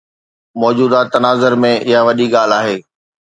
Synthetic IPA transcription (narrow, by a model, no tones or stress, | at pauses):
mɔːd͡ʑuːd̪at̪ɐnaːzəɾmẽʔɪɦaʋɐɗiɠaːl̤aːɦeː